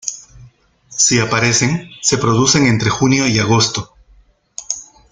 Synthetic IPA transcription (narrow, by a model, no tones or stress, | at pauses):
siapaɾe̞se̞ŋse̞pɾo̞ðuse̞ŋe̞nt̪ɾe̞xunjo̞iaɣ̞o̞st̪o̞